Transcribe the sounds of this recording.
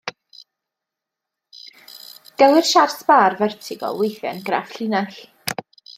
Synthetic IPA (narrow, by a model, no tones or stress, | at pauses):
ɡ̥ɛlˠɪrʃarsbaːrvɛrtʰɪɡɔ̰wejθjɛ̰nɡra̰fɬɪnaɬ